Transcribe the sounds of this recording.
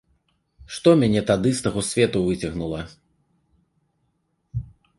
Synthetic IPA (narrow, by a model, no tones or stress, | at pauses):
ʂt̪ɔmʲanʲɛt̪ad̪ɨst̪aɣɔsʲvʲɛt̪uvɨt͡sʲɐɣnulˠɐ